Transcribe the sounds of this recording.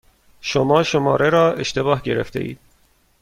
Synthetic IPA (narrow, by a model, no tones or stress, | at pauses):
ʃomɒːʃomɒːɾeɾɒːeʃt̪e̞bɒːɦɟe̞ɾeft̪ʰe̞ʔḭːd̪̥̚